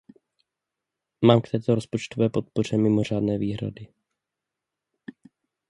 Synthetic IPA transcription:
maːmkt̪ɛːt̪o̞ɾospo̞t͡ʃt̪ovɛːpo̞t̪̚po̞r̝ɛmɪmo̞r̝aːdnɛːviːɦɾa̰dɪ

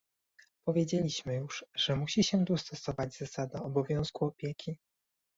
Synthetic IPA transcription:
pɔvʲjed͡ʑelʲiɕmɘjuʂʐɛmuɕiɕɛd̪ust̪ɔsɔvad͡ʑz̥asad̪aɔbɔvʲjɔ̃w̃skuɔpʲjekʲʰi

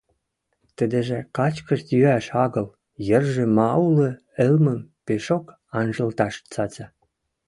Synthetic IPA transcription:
t̪ə̆d̪ĕʒĕkɑt͡ɕkəʃt̪jyæʃɑɣɤ̆l | jə̆rʒĕmɑulə̆ | ĕlmə̆mpeʃok | ɑnʒə̆lt̪ɑʃt͡sɑt͡ɕɑ

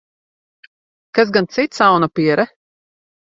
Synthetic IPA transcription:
kaz̬ɡant̪sit̪sawnapiɛɾɛ

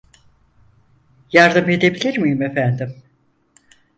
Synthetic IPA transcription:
jaɾd̪ɯme̞d̪e̞bilʲiɾmijimefænd̪im

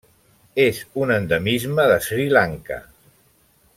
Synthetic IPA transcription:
ezunənd̪əmizməðəsɾilaŋkə̰

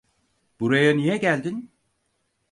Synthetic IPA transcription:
b̥uɾajanijɛɟælʲd̪in

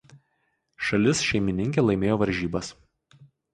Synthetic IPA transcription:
ʃɐlʲɪsʃʲɛɪmʲɪnʲɪŋʲkʲeːlˠɐɪmʲeːjoːʋɐɾʲʒʲiːbɐs

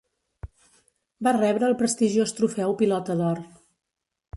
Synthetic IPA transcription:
barɛβɾəːlˠpɾəst̪iʒiost̪ɾufɛwpilɔt̪əðɔr

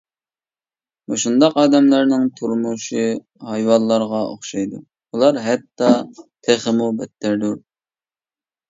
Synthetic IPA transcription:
moʃund̪ɑqɑːd̪ɛmlæɾnɪŋt̪ʰuɾmuʃi | ɦɑjwɑnlˠlːˠɑɾʁɑo̰χʃɑjd̪u | ulˠɑɾɦɛt̪ːɑt̪ʰeχəmubɛt̪ʰːæɾd̪uɾ

